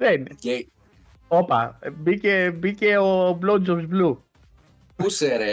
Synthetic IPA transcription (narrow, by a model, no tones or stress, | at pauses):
ðen | opa̰bikebikeoblod͡ʒosblu | puseɾe